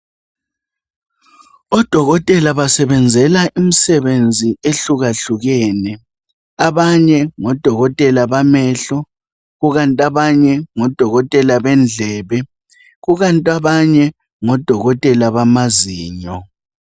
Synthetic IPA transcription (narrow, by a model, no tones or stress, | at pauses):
ɔd̥ʱɔɣɔtʼɛlaβasɛβɛnd͡zʱɛlaʔimisɛβend͡zʱieɬuɣaɬuɣɛːnɛ | aβaɲɛŋɔd̥ʱɔɣɔtʼɛlaβamɛɬɔ | ɣuɣantʼaβaɲɛŋɔd̥ʱɔɣɔtʼɛlaβɛnd͡ɮʱɛːβɛ | ɣuɣantʼaβaɲɛ | ŋɔd̥ʱɔɣɔtʼɛlaβamaziːɲɔ